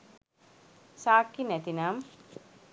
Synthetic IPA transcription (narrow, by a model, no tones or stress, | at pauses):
saːkːinɛt̪inaːm